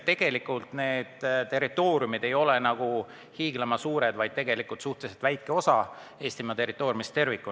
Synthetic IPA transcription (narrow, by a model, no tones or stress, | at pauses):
t̪e̞ɡ̥e̞likːˑult̪ne̞ːd̪̥t̪e̞rit̪ːˑo̞ːɾiumid̪̥e̞jo̞le̞nɑɡ̥u | hiːɡ̥lemɑsuːɾe̞d̪̥vɑjd̪̚t̪e̞ɡe̞likːˑult̪suht̪eset̪væjkkːe̞o̞sɑ | e̞ːsʲt̪imɑt̪e̞rːˑit̪ːˑo̞ːɾjumist̪e̞rvikˑːu